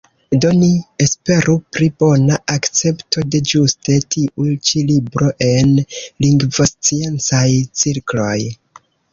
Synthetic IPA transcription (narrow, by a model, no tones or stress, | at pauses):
do̞niespe̞ɾʔupɾibo̞naʔakt͡se̞pto̞de̞d͡ʒuste̞tʰiʔut͡ʃilibɾo̞ʔe̞nliŋɡvost͡sie̞nt͡sajt͡siɾklo̞j